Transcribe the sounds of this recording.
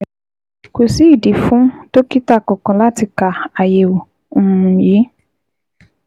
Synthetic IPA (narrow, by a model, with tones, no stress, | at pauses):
ko˨si˨˦i˦˨di˨fũ˨˦to˦ki˦ta˦˨kɔ̃˨kɔ̃˨la˦ti˧ka˨a˨je˨wo˨ | ũ˨ũ˨ji˨˦